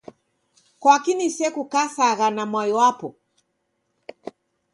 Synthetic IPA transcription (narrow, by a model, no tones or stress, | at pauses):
kwakinisɛkukasaɣanamwajɔwapɔ